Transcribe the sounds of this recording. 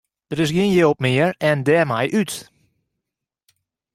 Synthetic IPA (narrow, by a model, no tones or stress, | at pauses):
d̥əɾɪs̬ɡɪənjewp̚mɪəɹɛndɛmɛjʔyt